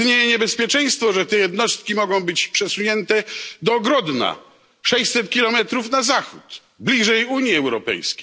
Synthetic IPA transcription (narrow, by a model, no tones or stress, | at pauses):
ɲejɛɲɛbɛspʲjɛt͡ʂɛj̃st̪fɔʐɛt̪ɛjɛd̪nɔst̪̚kʲimɔɡɔ̃w̃bɘt͡ɕpʂɛsuɲɛnt̪ɛd̪ɔːɡɾɔd̪na̰ | ʂɛɕsɛt̪̚kʲilɔmɛt̪ɾufnazaxut̪ | blʲiʐɛjuɲjiɛwɾɔpɛ̰jskʲej